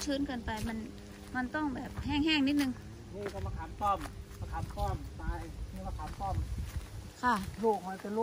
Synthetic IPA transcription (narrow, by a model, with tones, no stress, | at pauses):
t͡ɕʰɯː˧˥˨nkʰɤː˧npa˧jma˧˥n | ma˧˥˨nt̪ɔ˥˩ŋbɛː˨˩p̚ɦɛː˥˩ŋɦɛː˥˩ŋni˦˥t̪̚nɯ˧ŋ | niː˧˩ka˧˩maː˧kʰaː˨˩˦mt̪ɔ˧˩mma˧kʰaː˨˧˦mt̪ɔ˧˩mmaː˧˩˨t̪ʰiː˧˩maː˧˩kʰaː˨˦mt̪ɔ˧˥˩m | kʰa˧˩luː˧˩k̚hɔː˧˩jka˧lu˧˩